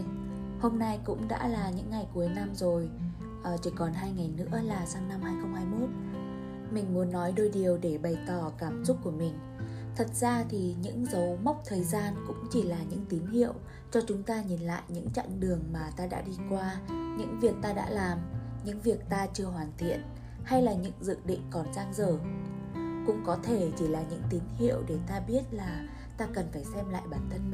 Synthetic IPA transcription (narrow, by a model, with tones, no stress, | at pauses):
ho˧mna˧jkʊ̰˧˥ŋ͡mɗa̰ː˧˥laː˨˩ɲɨ̰˧˥ŋːa˨˩jku˨˦əjna˧mzo˨˩j | ʔt͡ɕi˧˩kɔ˨˩nɦaː˧jŋa˨˩jnɨ̰˧˥əlaː˨˩saː˨˧ŋna˧mhaː˧jxə˧ŋ͡mhaː˧jmo˦˥t̚ | mï˨˩ŋ̟mu˨˦ənːɔ˨˦jɗo˧˩jɗi˨˩əwɗe˧˩ɓə˨˩jt̪ɔ˧˩kaː˧˩mzʊ˦˥k͡p̚ku˧˩əmï˨˩ŋ̟ | t̪ʰə˨˩t̚z̥aː˧t̪ʰi˨˩ɲɨ̰˧˥ŋzə˨˦wma˦˥k͡p̚t̪ʰəː˨˩jzaː˧nkʊ̰˧˥ŋ͡mt͡ɕi˧˩laː˨˩ɲɨ̰˧˥ŋt̪i˨˦mhḭ˧˨əw | t͡ɕɔ˧t͡ɕʊ˨˦ŋ͡mt̪aː˧ɲi˨˩nla̰ː˧˨jɲɨ̰˧˥ŋt͡ɕa̰˧˨ŋɗɨ˨˩əŋmaː˨˩t̪aː˧ɗa̰ː˧˥ɗi˧kwaː˧ɲɨ̰˧˥ŋvi˨˩ək̚t̪aː˧ɗa̰ː˧˥laː˨˩mɲɨ̰˧˥ŋvi˨˩ək̚t̪aː˧t͡ɕɨ˧əɦwaː˨˩nt̪ʰḭ˧˨ən | ha˧jlaː˨˩ɲɨ̰˧˥ŋzɨ̰˧˨ɗḭ̈˧˨ŋ̟kɔ˨˩nzaː˧ŋzəː˧˩ | kʊ̰˧˥ŋ͡mkɔ˨˦t̪ʰe˧˩t͡ɕi˧˩laː˨˩ɲɨ̰˧˥ŋt̪i˨˦nhḭ˧˨əwɗe˧˩t̪aː˧ɓi˦˥ət̚laː˨˩ | t̪aː˧kə˨˩nfaː˧˩jsɛ˧mla̰ː˧˨jɓaː˨˩nt̪ʰə˧n